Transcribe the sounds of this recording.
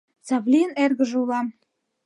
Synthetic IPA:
sɑβlʲiənerɣə̆ʒulɑm

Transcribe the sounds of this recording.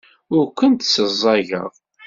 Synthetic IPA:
ʊɾkʷənt̪səzˤːɑʝə̰ð

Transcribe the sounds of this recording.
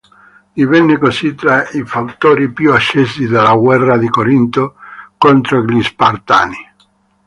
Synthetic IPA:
d̪ivɛnːekosit̪ɾaifawt̪oːɾipjuat͡ʃːesid̪alːaɡwɛrːad̪ikoɾint̪okont̪ɾoɡlispart̪a̰ːni

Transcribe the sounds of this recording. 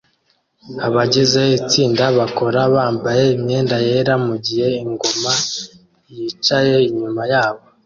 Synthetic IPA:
aβaɟize̞it͡siːndaβako̞ɾaβaːmbaje̞imɲe̞ːndaje̞ːɾamuɟihe̞iŋɡo̞ma | jit͡ʃaje̞iɲumajaːβo̞

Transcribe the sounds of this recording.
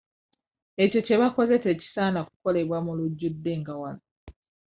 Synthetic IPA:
e̞co̞ce̞βako̞ze̞te̞ːci̥saːnaku̥ko̞le̞βwamuluɟːud̪ːe̞ŋɡawano

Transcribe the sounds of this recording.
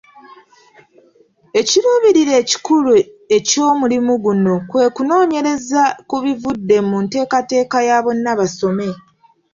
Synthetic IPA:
e̞ciɾuːβiɾiɾe̞ːci̥kulue̞co̞ːmulimuɡuno̞kwe̞ːkuno̞ːɲe̞ɾe̞zakuβivudːe̞munte̞ːkate̞ːkajaβo̞nːaβaso̞me̞

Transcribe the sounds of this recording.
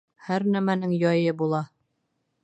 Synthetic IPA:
hæɾnæmænɘŋjɒjɤbulˠɑ

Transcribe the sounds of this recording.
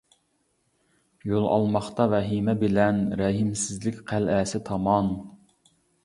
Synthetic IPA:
jolˠɑ̰lˠmɑχt̪ɑvɛɦimɛbɪlɛnɾɛɦɪmsɪzlɪkʲqʰælɛːsɪt̪ʰɑmɑn

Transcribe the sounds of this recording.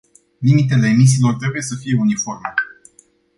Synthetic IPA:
limit̪e̞le̞ːmis̬iːlo̞rt̪ɾe̞buje̞səfijeunifo̞rme

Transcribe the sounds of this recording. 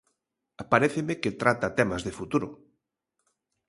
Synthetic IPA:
apaɾeθemeket̪ɾat̪at̪ɛmazðefut̪uɾʊ

